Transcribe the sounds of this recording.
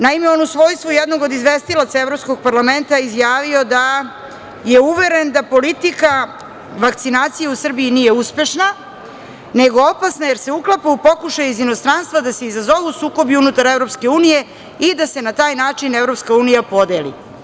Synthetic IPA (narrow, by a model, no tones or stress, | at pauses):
naimeo̞nusʋo̞ːjst̪vojed̪no̞ɡo̞d̪izʋest̪ilat̪saevɾo̞psko̞ɡ̚paɾlˠame̞nt̪aizjaːʋio̞d̪a | je̞uʋe̞ɾe̞nd̪apo̞lit̪ika | ʋakt̪sinaːt̪sijeusr̩biinije̞uspe̞ʃna | ne̞ɡo̞opasnajeɾse̞uklapaupo̞kuʃajuizino̞st̪ɾanst̪ʋad̪aseizazo̞ʋuusuːko̞biunut̪aɾevɾo̞pske̞uːnije̞ | id̪ase̞nat̪aːjnaːt͡ʂinevɾo̞pskauːnijapo̞d̪e̞ːlḭ